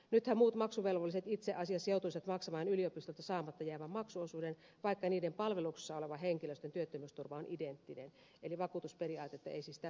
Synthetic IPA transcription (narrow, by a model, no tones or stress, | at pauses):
nyt̪hæmmuːt̪mɑksuʋelʋolːˑiset̪it̪seʔɑsiɑseout̪uiset̪mɑksɑmɑːnyliopist̪olt̪ɑsɑːmɑt̪ːɑjæːʋæmmɑksuosuːden | ʋɑikːɑniːdempɑlʋeluksi̥sːɑoleʋɑheŋkiløst̪ent̪yøt̪ːømyst̪urʋɑonʔident̪ːinḛn | eliʋɑkuːt̪usperiɑːt̪et̪ːɑḛisisi̥t̪æ